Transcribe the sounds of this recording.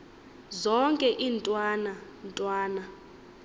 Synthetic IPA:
zɔŋkʼɛʔiːntʼwaːna | ntʼwaːna

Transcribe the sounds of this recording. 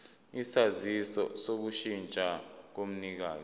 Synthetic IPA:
isazisɔ̰sok̬uʃint͡ʃʼak̬om̩nik̬aːz

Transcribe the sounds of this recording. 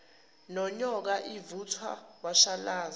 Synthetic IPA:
nɔɲɔk̬aʔivut͡sʰwa̰k̬waʃalaːz

